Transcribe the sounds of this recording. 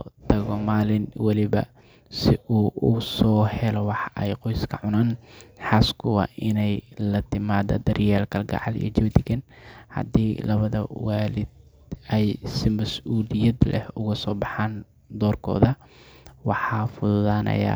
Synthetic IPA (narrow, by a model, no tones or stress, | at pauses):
t̪ʰɐɣɔmaːlɪnwɑlɪβɐ̰ | sɪʔuːsɔːhɛlɔwɑħʔɛjqɔjskʰɐʕʊnaːnħɑːskʰʊwɑ̰ʔɪnɛjlɐt̪ʰɪmaːðɐ̰d̪ɐrjaːlkʰɐlɡɑ̰ʕɑlḭjt͡ʃɔwd̪ɪɡɐnhɐ̰d̪iːlɐβɐðɐ̰waːlɪd̪̚ | ɛjsɪmɐsʔuːlɪjɐd̪lɛ̰hʊɣɐsɔːbɑħaːn | d̪ɔːrkʰɔ̰ːðɐwɑħɑːfʊðʊðaːnʔɐ̰ja̰ː